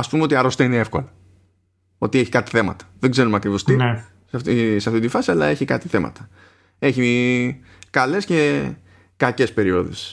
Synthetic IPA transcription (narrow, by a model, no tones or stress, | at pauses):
ɐspumeo̞t̪iɐɾo̞st̪ɐineefko̞lɐ | o̞̰t̪ieçi̥kɐt̪i̥θe̞mɐ̰t̪ɐ̥ðeɡze̞ɾumeɐkɾivo̞st̪i | ft̪iseɐft̪it̪ifɐsiɐlɐ̰e̞çikɐt̪i̥θe̞mɐ̰t̪ɐ̥ | e̞çi | kɐle̞sce̞ | kɐce̞spe̞ɾio̞̰ðḛs